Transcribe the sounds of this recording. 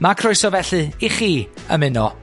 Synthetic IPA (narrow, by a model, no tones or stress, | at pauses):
makʰrʊɨsɔvɛɬɨiχiː | ə̰mɪnɔ